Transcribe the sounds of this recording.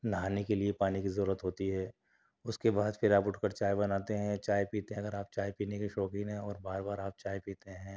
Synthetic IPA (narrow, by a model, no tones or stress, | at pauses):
nɦaːnekeliepaːnikizɐɾuːɾət̪ɦoːt̪iɦɛː | ʊskebaːd̪fʰɪɾaːpʊʈʰkəɾt͡ʃaːjbɐnaːt̪eɦɛ̃t͡ʃaːjpiːt̪eɦɐɡəɾaːp̚t͡ʃaːjpiːnekiʃɔːkɪ̃nɦɛ̃ɔːɾbaːɾbaːɾaːp̚t͡ʃaːjpiːt̪eɦɛ̃ː